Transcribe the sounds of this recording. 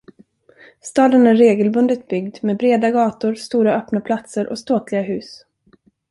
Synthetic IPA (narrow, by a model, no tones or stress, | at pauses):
st̪ɑːd̪ənæɾːeːɡəlbɵnd̪ət̪̚bʏɡd̪meːbɾeːd̪aɡɑːt̪ʊɾst̪uːɾaœːpnapʰlat̪səɾʔɔst̪oːt̪lɪɡaɦʉ̟ːs